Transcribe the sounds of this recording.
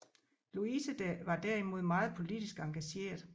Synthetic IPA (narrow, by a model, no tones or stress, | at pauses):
luisəd̥æʋɑ̈d̥æɐ̰imo̝ð̞̰ˠmɑ̈ːð̩ˠpʰo̝lid̥isɡ̥ɑ̈ŋɡ̥æɕe̝̰ːɐðˠ